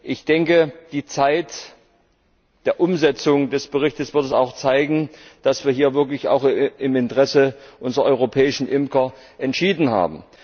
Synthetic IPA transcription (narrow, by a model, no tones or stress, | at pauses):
ʔɪçd̥ɛŋkəd̥iːt͡saɪt | d̥eːɐʔʊmzɛt͡sʊŋdɛsb̥əʁɪçtəsv̥ɪɐtɛsa̰ʊxt͡saɪɡŋ̩d̥asv̥iːɐɦiːɐvɪɐklɪça̰ʊxɪmɪntʁ̥ɛsəʔʊnzʁɐʔɔʏʁ̞opʰɛːɪʃn̩ʔɪmkɐ | ʔɛntʃiːdn̩ha̰ːbm̩